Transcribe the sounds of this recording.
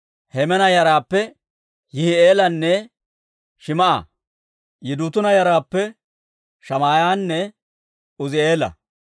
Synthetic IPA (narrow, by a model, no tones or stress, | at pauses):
hɛmɛnɐjɐɾaːpːɛ | jɪhɪeːlɐnːɛ | ʃɪmɐʔɐ̰ | jɪd̪uːt̪ʊnɐjɐɾaːpːɛ | ʃɐmaːjaːnːɛ | ʊzɪe̞ːlɐ̰